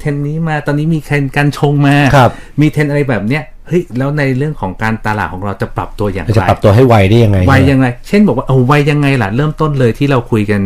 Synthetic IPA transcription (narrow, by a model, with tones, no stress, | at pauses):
t̪ʰe˧nːiː˦˥maː˧˩t̪ɔː˧nːiː˦˥miː˧t̪ʰe˧nkaː˧nt͡ɕʰo˧ŋmaː˧kʰa˦˥˩p̚miː˧t̪ʰe˧nʔɾa˧jbɛː˨˩p̚ni˦˥ɐ | hɤ˦˥jlɛː˦˥wna˧jɾɯ˥˩əŋkʰɔː˩˦ŋkaː˧nt̪aː˧laː˨˩kʰɔː˩˦ŋɾa˧wt͡ɕa˨˩pɾa̰˨˩p̚t̪u˧ɐja̰ː˨˩ŋt͡ɕa˨a˧ɾa˨˩p̚t̪u˧ɐɦa˥˩jwa˧jdaː˥˩ja˧ŋːa˧jwa˧jːa˧ŋɾa˧jt͡ɕʰe˥˩nbɔː˨˩k̚wa˥ʔo˧˩wa˧jːa˧ŋːa˧jla˨˩ɾɤː˥˩mt̪o˥˩nlɤː˧jt̪ʰiː˥˩ɾa˧wkʰu˧jka˧n